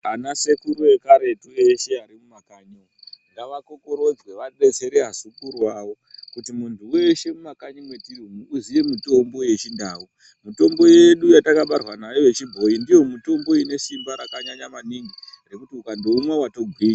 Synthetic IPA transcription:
anase̞kuɾuje̞kaɾe̞tueʃeaɾimumakaɲi | ndaʋako̞ko̞ɾo̞d͡zwe̞ʋaɗe̞t͡se̞ɾeɦasukurwawo̞ | kutimuntʰueʃe̞mumakaɲimwe̞tiriuzije̞mito̞mbo̞je̞t͡ʃindaːu | muto̞mbo̞jeɗujatakaɓarwanajo̞ʋe̞t͡ʃibʱo̞indijo̞muto̞mbo̞ine̞simbaɾakaɲaɲamaniŋɡire̞kutiukando̞umwawato̞ɡʱwiːɲa

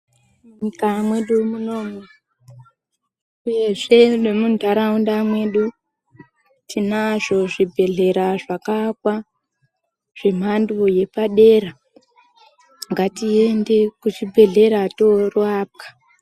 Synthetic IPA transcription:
uɲikamwe̞ɗumuno̞ːme | uje̞ʐe̞nemundʱaɾaundamwe̞ɗu | tʰinaʐo̞ʐibʱe̞ɮe̞ɾaʐakakwa | ʐ̥e̞m̤andoje̞paɗe̞ra | ŋɡatie̞nde̞kut͡ʃibʱe̞ɮe̞ɾato̞ruaːp̚kḁ

